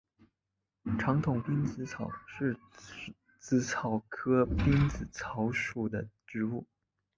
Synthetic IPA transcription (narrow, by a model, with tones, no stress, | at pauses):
ʈ͡ʂʰɑ˧˥ŋt̪ʰʊ˨˩ŋpi˥nt͡sɹ̩˧˥t͡sʰɑ˨˩ʊʂɻ̩˥˩ | t͡sɹ̩˧˥t͡sʰɑ˨˩ʊkʰɤ˥pi˥nt͡sɹ̩˨˩t͡sʰɑ˧˥ʊʂu˨˩d̪ə˦ʈ͡ʂɻ̩˧˥u˥˩